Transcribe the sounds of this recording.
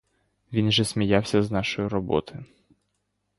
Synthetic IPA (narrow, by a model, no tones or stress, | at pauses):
ʋʲinʒɛsmʲijɑwsʲɐznɑʃɔjʊɾɔbɔ̰t̪ɔjʊ